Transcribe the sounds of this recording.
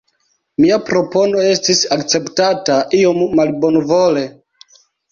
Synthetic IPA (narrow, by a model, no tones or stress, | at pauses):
miapɾo̞po̞no̞e̞stisakt͡se̞ptataʔiomːalbo̞nvo̞le̞